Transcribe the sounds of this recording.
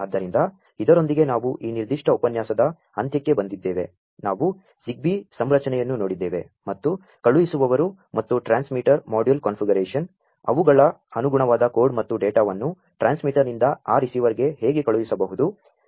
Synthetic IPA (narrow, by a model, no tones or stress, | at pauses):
aːd̪ːɐɾind̪ɐ | id̪ɐɾo̞nd̪iɡe̞naːʋuʔiːniɾd̪iʂʈɐupɐnjaːsɐd̪ɐ | ɐnt̪jɐkːe̞bɐnd̪id̪ːeːʋe̞ | naːʋu | siɡ̚bisɐmɾɐt͡ʃɐnɛjɐnːuno̞ːɽid̪ːeːʋe̞̰ | mɐt̪ːu | kɐɭuʋisuʋɐʋɐɾu | mɐt̪ːuʈɾaːnsmiʈɐɾmaːɖijulkɐːnfʰiɡɐɾeːʂɐn | ɐ̰ʋuɡɐɭɐɐnuɡuɳɐʋaːd̪ɐko̞ːɾɖmɐt̪ːuɖeːʈaːʋɐnːu | ʈɾaːnsmiʈɐɾnind̪ɐaːɾisiːʋɐɾiɡe̞ɦeːɡekɐɭuʋisɐbɐɦud̪u